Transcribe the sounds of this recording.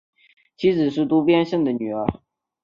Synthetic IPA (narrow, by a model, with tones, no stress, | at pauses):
t͡ɕʰi˧˥d͡zɹ̩˨˩ʂ̬ɻ̩˥˩t̪u˥pjɛ˥nʂə˥˩ŋd̪ə˩ny˨˩ə˧˥